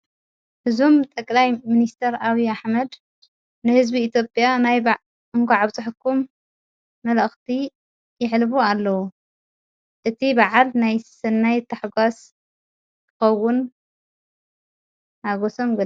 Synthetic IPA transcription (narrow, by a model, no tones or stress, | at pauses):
hɨzomt̪ʼɐkʼlajminist̪ʰɐɾaβiaħmɐd̪ | nɨhɨzbiːt̪ʰjopʼjanajba | ɨŋkʰʷaʕaβt͡sʼɨħkʰːumː | ɐlxt̪ʰi | jɪʕlbualːɐwu | ʔɨt̪ʰibaʕalnajsɨnːajt̪ʰaħɡʷas | kkʰɨ̥xɐwːʊn | haɡoso̞mɡɨ